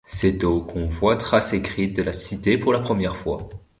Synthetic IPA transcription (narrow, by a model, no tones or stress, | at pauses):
sɛt̪okʰɔ̃vwat̪χasekχit̪̚d̪əlasit̪epuʁlapχəmjɛʁfwa̰